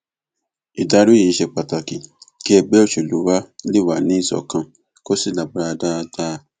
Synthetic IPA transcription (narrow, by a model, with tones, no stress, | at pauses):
i˨da˧˦ɾu˦e˨i˦ʃɛ˧˨k͡pa˨ta˨ki˨ki˦ɛ˧ɡ͡bɛ˦o˦˨ʃe˨lu˨˦wa˦li˦˨wa˨nĩ˨˦i˦˨sɔ̰˨kã˧ | ko˦si˦˨la˨bɾa˧da˦˧da˦